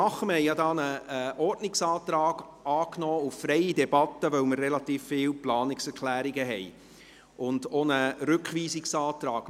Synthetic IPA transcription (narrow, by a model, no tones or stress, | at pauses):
ɑχəmhɛɪjɑdɑːnəʔɔrdnɪksɑːt̪ɾɑːɡ̥ɑːknɔːuffɾɛɪidɛbɑt̪ːəvœwmərːɛlɑt̪iːfːɪːlplɑːnɪksɛɾkʰlæːɾiɡəɦɛj | ʊndonəɾʏkχʋiːsɪksɑːt̪ɾɑːɡ̥